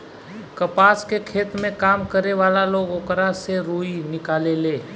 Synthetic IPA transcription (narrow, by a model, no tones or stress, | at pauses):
kəpaːskekʰeːt̪mẽkaːmkəɾeʋaːlaloːɡoːkɾaseɾuːinɪkaːleleː